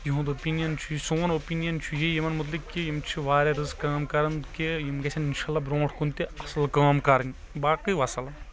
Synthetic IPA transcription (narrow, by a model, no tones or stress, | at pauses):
jiɦũd̪opiːnijɐnt͡ʃʰujisoːnopiːnijɐnt͡ʃʰujejɐmɐnmut̪̬likːijimt͡ʃʰiʋaːɾeɾɨzkːaːmkɐɾɐnkijimɡɐsʲʰɐninʃaːlːaːbɾõːʈʰkunt̪iɐslkaːmkɐɾɐnʲ | baːkiʋɐsɐlɐ